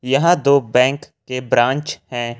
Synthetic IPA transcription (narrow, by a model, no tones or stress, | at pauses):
jɐɦãd̪oːbɛ̃ːŋkːebɾãːɲt͡ʃhɛ̃ː